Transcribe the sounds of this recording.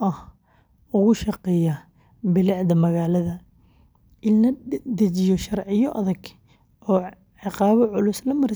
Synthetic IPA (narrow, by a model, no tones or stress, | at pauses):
ʔɐh | ʊɣʊʃɑqɛjɐ | bɪlɪʕd̪ɐmɐɣaːlɐðɐ | ʔɪlnɐd̪ɐt͡ʃɪjɔʃɐrʕɪjɔʔɐðɐɡ | ʔɔː | ʕɪqɑːβɐʕʊlʊslɐmɐɾ